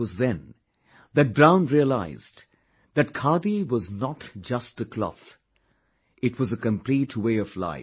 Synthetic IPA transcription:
ʌzðɨ̃n | ðɨt̚bɹãʊ̃nɹiəla̰ɪz | ðɨt̚kʰɑɹbiwʌznətd͡ʒʌstɨkʰl̥ɔ̰θ | ʔɨtʰwʌzɨkɨ̃mpʰl̥itʰweɪʌvla̰ɪ

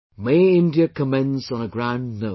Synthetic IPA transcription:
meːɪ̃ndjəkʰəmɛ̃nznəɡɹãʊ̃ndno

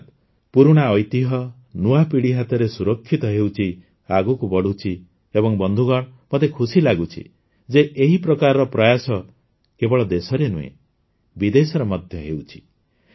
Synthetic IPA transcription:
t̪ | puɾuɽ̃aɔjt̪iɦɔ | nuapiɽiɦat̪ɔɾesuɾɔkʰːit̪ɔɦewt͡ʃʰi | aɡukubɔɽut͡ʃʰi | ebɔŋbɔnd̪ʱuɡɔɽ̃mɔt̪ekʰusilaɡut͡ʃʰḭ | d͡ʒeʔeɦipɾɔkaɾɔɾɔpɾɔjasɔ | kebɔɭɔd̪esɔɾenṵḛ | bid̪esɔɾɔmɔd̪ʱjɔɦewt͡ʃʰi̥

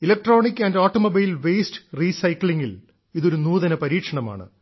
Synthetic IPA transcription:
ilɐk̚ʈro̞ːɳikːɐndeoːʈːomobijilʋeːsʈɨ̥riːsɐjkliŋːil | iðo̞ɾunuːðɐnɐpɐɾiːkʂɐɳɐma̰ːɳɨ̰

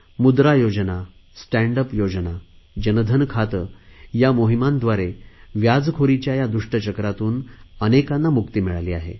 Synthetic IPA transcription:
mud̪ɾajod͡ʑəna | sʈæ̃ɳɖəpjod͡zəna | d͡ʑənəd̪ʱənkʰat̪əjamoɦimãnd̪ʋaɾeʋjad͡zkʰoɾit͡ɕjajad̪uʂʈət͡ɕəkɾat̪uːnənekanːamukt̪iːmiɭaliːa̰ɦḛ

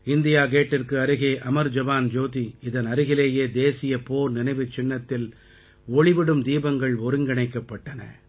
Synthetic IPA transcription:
ɪnd̪ɪjaːkeːʈːɪrkɯɐɾɯɣeːʔɐmɐɾd͡ʒɐbaːnd͡ʒoːt̪iɪðɐnɐɾɯɣɪleːjeːd̪eːsɪjɐpoːɾnɪnɐɪʋɯt͡ʃːɪnːɐt̪ːɪl | ɔɭɪʋɪɽɯmd̪iːbɐŋɡɐɭɔɾɯŋɡɐɳɐɪkːɐpːɐʈːɐnɐ̰

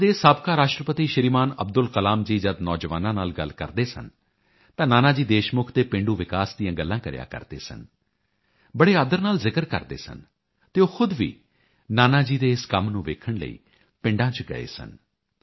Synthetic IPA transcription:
d̪eːsaːbkaːɾaːʃʈɾəpət̪iːʃəɾiːmaːnəb̚d̪ʊlkəlaːmd͡ʒiːd͡ʒəd̪nɔːd͡ʒʋaːnãːnaːlɡəlkə̰ɾd̪eːsə̰n | t̪ãːnaːnaːd͡ʒiːd̪eːʃmʊkʰt̪eːpɪ̃ɳɖuːʋɪkaːsd̪ijãːɡəlːãːkəɾja̰ːkə̰ɾd̪ḛːsən | bəɽeːaːd̪əɾnaːlzɪkəɾkə̰ɾd̪ḛːsə̰n | t̪eːoːxʰʊd̪ʋḭː | naːnaːd͡ʒiːd̪eːɪskəmnũːʋḛːkʰəɳlə̰ḭː | pɪ̃ɳɖãːt͡ʃɡə̰ḛːsə̰n

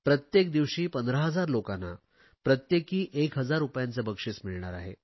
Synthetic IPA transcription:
pɾət̪jek̚d̪iʋɕiːpənd̪ɾəɦəd͡zaɾlokanːa̰ | pɾət̪jekiːʔekɦəd͡zaɾupjant͡səbəkʂit͡smiɭɳaɾa̰ɦḛ

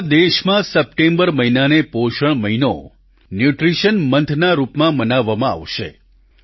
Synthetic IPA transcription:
d̪eʃmãsəp̚ʈẽmbəɾməɦinanepoʃəɳ̃məɦino̰ | njuʈɾiʃənmənt̪ʰnaɾupmãmənaʋːamãa̰ʋʃḛ

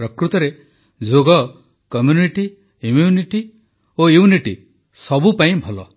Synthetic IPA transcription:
ɾɔkɾut̪ɔɾe | d͡ʒoɡɔ | kɔmjuniʈi | imjuniʈi | ojuniʈi | sɔbupaĩbʱɔlɔ̰

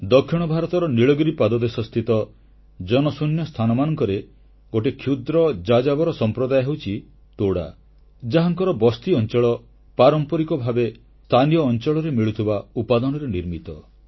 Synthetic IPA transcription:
d̪ɔkʰːiɽ̃ɔbʱaɾɔt̪ɔɾɔniɭɔɡɾipad̪ɔd̪esɔst̪ʰit̪ɔ | d͡ʒɔnɔsunjɔst̪ʰanɔmanɔŋkɔɾe | ɡoʈekʰjud̪ɾɔd͡ʒad͡ʒabɔɾɔsɔmpɾɔd̪ajɦewt͡ʃʰi | t̪oɽa̰ | d͡ʒaɦaŋkɔɾɔbɔst̪iɔnt͡ʃɔɭɔ | paɾɔmpɔɾikɔbʱabe | st̪ʰanijɔːnt͡ʃɔɭɔɾemiɭut̪ʰibaupad̪ɔnɔɾeniɾmit̪ɔ

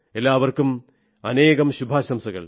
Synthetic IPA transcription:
elːaːʋɐrkum | ɐneːɣɐmɕubʱaːɕɐmsɐɣɐ̰ɭ

